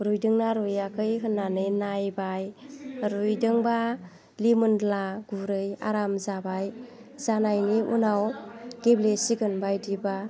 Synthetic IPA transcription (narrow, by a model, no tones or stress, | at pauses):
ɾujdɯŋnaɾujakʰɯjɦɯnːanɯjnajbajɾujdɯŋba | limɯndlaɡ̥uɾɯja̰ɾamzabaj | zanajniʔṵnawɡ̥eblesiɡɯnbajdiba